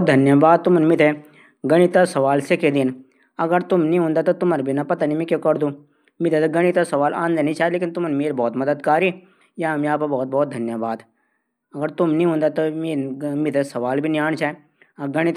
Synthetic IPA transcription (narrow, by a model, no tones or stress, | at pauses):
t̪̚d̪ʱɐnjəbaːd̪̚t̪ʊmnmɪt̪ʰe | ɡɐɽ̃it̪asɐʋaːlseked̪ɪn | ɐɡəɾt̪ʊmnĩɦʊ̃nd̪at̪ot̪ʊmɐɾbʱinɐpɐt̪animĩkekɐɾd̪ũː | mɪt̪ʰet̪ɐɡɐɽ̃it̪asɐʋaːlʔã̰ːnd̪enĩt͡ʃʰaːleːkɪnt̪ʊmnmeːɾbɔːt̪mɐd̪əd̪kaːɾi | jamiaːpɐbɔːt̪̚bɔːt̪̚d̪ʱɐnjəbaːd̪ | ɐɡəɾt̪ʊmnĩɦũːnd̪at̪omeːmɪt̪ʰesɐʋaːlbʱinjaːɳ̃t͡ʃʰa | ɐɡɐɽ̃it̪